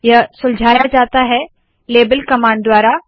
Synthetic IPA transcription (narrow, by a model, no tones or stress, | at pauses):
jɐsʊld͡ʒʱaːjad͡ʒaːt̪aɦɛ | leːbəlkɐmãːɳɖ̚d̪waːɾa